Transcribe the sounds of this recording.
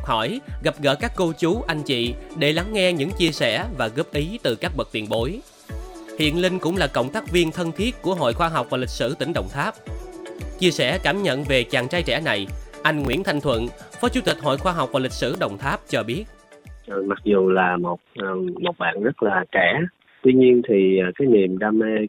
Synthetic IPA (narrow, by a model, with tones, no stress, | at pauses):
hɔ˧˩jɣa˨˩p̚ɣə̰ː˧˥kaː˦˥kːo˧t͡ɕu˨˦ʔa˧jŋ̟t͡ɕḭ˧˨ɗe˧˩la˨˦ŋːɛ˧ɲɨ̰˧˥ŋt͡ɕi˧əsɛ˧˩vaː˨˩ɣə˦˥p̚ʔi˨˦t̪ɨ˨˩kaː˦˥k̚ɓə˨˩k̚t̪i˧˩ənɓo˨˦j | hḭ˧˨ənlï˧ŋ̟kʊ̰˧˥ŋ͡mlaː˨˩kə̰˧˨wŋ͡mt̪aː˦˥k̚vi˧ənt̪ʰə˧nt̪ʰi˦˥ət̚ku˧˩əɦo̰˧˨jxwaː˧ɦa˨˩wk͡p̚vaː˨˩li˨˩k̚sɨ̰˧˩t̪ï˧˩˦ŋ̟ɗə̰˧˨wŋ͡mt̪ʰaː˦˥p̚ | t͡ɕi˧əsɛ̰˧˩kaː˧˩mɲə̰˧˨nve˨˩t͡ɕaː˨˩ŋt͡ɕaː˧jt͡ɕɛ̰˧˩na˨˩jʔa˧jŋ̟ŋwḭ˧˥ənt̪ʰa˧jŋ̟t̪ʰwə̰˧˨nfɔ˨˦t͡ɕu˨˦t̪i˨˩k̟̚ɦo̰˧˨jxwaː˧ɦa˨˩wk͡p̚vaː˨˩lï˨˩k̚sɨ̰˧˩ɗə̰˧˨wŋ͡mt̪ʰaː˦˥p̚t͡ɕɔ˧ɓi˦˥ət̚ | ʔə˨˩ma˨˩k̚zu˨˩laː˨˩mo˨˩t̚ːmo˨˩t̚ɓa̰ː˧˨nzə˦˥t̚laː˨˩kɛ˧˩˦ | t̪wi˧ɲi˧ənt̪ʰi˨˩˨kaː˨˦jni˨˩mɗaː˧me˧